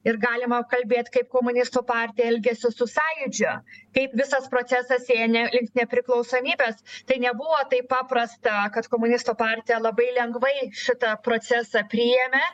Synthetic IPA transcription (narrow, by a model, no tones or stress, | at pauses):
ɪɾɡɑːlʲɪmɐkɐlʲbʲeːt̪ʲkɐɪpkoːmʊnʲɪst̪uːpɑːɾʲt̪ʲɪjɛɛlʲɡʲɛsʲɪsʊsɑːjʊd͡ʒʲʊkɐɪpʋʲɪsɐspɾoːsʲæsɐseːjɛnʲɛlʲɪŋkt̪nʲɛpʲɾʲɪklˠɒʊsoːmʲiːbʲɛːst̪ɐɪnʲɛbʊʋoːt̪ɐɪppɑːpɾɐst̪ɐkɐt̪koːmʊnʲɪst̪uːpɑːɾʲt̪ʲɪjɛlˠɐbɐɪlʲɛŋɡʋɐɪʃʲɪt̪ɐpɾoːt͡s̪ʲæːsɑpʲɾʲiːjɛmʲɛ